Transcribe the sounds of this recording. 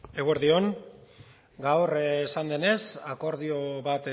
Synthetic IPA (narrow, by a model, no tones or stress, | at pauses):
e̞ɣweɾðio̞ŋ | ɡawrsand̪e̞ne̞sako̞ɾð̞io̞βat̪